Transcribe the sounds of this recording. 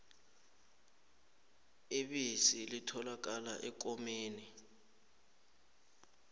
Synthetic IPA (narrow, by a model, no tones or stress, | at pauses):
iɓisilitʰɔlak̬ala̰ʔɛk̬ʼɔmeːni